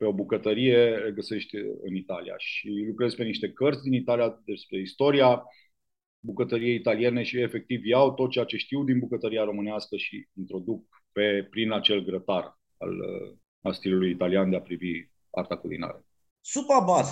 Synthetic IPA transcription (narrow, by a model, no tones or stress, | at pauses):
pe̞o̞bukət̪əɾije̞eɡəse̞ʃt̪ʲɨ̰nit̪alḭja̰ʃilukɾe̞zpe̞niʃt̪e̞kərt̪sʲd̪init̪alijad̪e̞spɾe̞ist̪o̞ɾia | bukət̪əɾije̞it̪alie̞ne̞ʃie̞fe̞k̚t̪ivjawt̪ot̪̚t͡ʃejat͡ʃe̞ʃt̪iwd̪inbukət̪əɾiaɾo̞mɨneaskəʃiint̪ɾo̞d̪uk̚ | pe̞pɾinat͡ʃe̞lɡɾət̪ar | a̰l̰ | mast̪ilulujit̪aliand̪e̞apɾivi | a̰rt̪akulḭna̰ɾe | supabaz